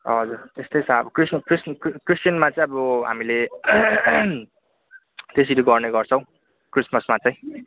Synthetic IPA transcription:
ɦʌd͡zuɾt̪est̪ʌjt͡sʰaʌbʌkrisnʌkriskkristjʌnmat͡sʌj̃ʌbʌɦa̰mile | t̪es̬iɾuɡʌrneɡʌrt͡sʰʌ̃w̃ | krismʌsmat͡sʌj̃

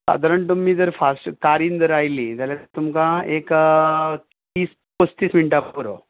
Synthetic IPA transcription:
sa̰d̪ʱaɾəɳt̪umːiːd͡zəɾfasʈkaɾiːnd͡zəɾajlĩt̪jaljaət̪umkãek | t̪iːs | pəst̪iːsmiɳʈapːəɾo̰

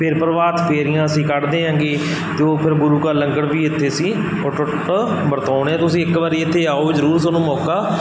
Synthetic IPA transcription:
pʰɪɾpəɾʋaːt̪pʰeːɾɪjãːəsĩːkəɽd̪ẽːɦə̃ŋɡeː | t̪eːoːpʰɪɾbʊɾuːkaːləŋɡəɽʋiːɪt̪ʰːeːsiː | oːʈʊʈ | bəɾt̪aːɳẽːt̪ʊsĩːɪkʋaːɾiːɪt̪ʰːeːaːoːzəɾuːɾsonũːmɔːkaː

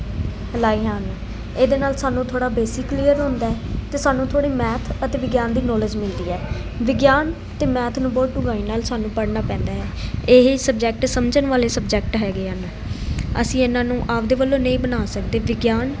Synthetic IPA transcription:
laːiːɦãːnː | eːd̪eːnaːlsaːnũːt̪ʰoːɽaːbeːsɪkːlijəɾɦʊ̃nd̪aːɛːt̪eːsaːnũːt̪ʰoːɽiːmɛːt̪ʰət̪eːʋɪɡjaːnd̪iːnɔːlɪd͡ʒmɪld̪iːɛː | ʋɪɡjaːn | t̪eːmɛːt̪ʰnũːbɔːt̪̚ɖʊɡaːiːnaːlsaːnũːpəɽnaːpɛ̃ːnd̪aːɛːeɦesəb̚d͡ʒɛk̚ʈsəmd͡ʒənʋaːleːsəbd͡ʒɛkʈɦɛːɡeːɦənː | ə̰sĩːɪnãːnũːʔaːpd̪eːʋəlːõːnəĩːbənaːsəkd̪eːʋɪɡjaːn

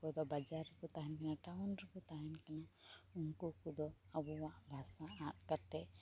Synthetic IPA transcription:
kɔd̪ɔbad͡ʒaɾːəkut̪aɦɛnkanaʈawnɾəkut̪aɦɛnkanaunkukud̪ɔabɔwaʔbʱasaʔãt̪̚kaɾt̪ɛ

